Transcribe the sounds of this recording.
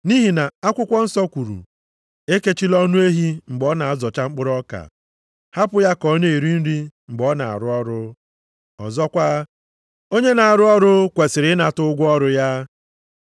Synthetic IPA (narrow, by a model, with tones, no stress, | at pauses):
ni˦ɦi˨na˨a˦kʷʊ˦kʷɔ˦n̩˦sɔ˦kʷu˨ɾṵ˨ | e˦ke˦t͡ʃi˦lɔ˦nʊ˦e˦ɦi˦ŋ͡m̩˨ɡ͡bɔ˦na˨a˦zɔ˨t͡ʃa˦ŋ͡m̩˦k͡pʊ˦ɾɔ˦ka̰˨ | ha˦pʊ˨ja˦kɔ˨˦ne˦i˨ɾi˦n̩˦ɾi˦ŋ͡m̩˨ɡ͡bɔ˦na̰˨a̰˨ɾʊ˦ɔ˦ɾʊ˦ | ɔ̰˨zɔ˦kʷa˦ | o˦ɲe˦na˨a˨ɾʊ˦ɔ˦ɾʊ˦kʷe˨sɪ˨ɾɪ˨˦na˨tʊ˦ɡʷʊ˦ɔ˦ɾʊ˦ja˦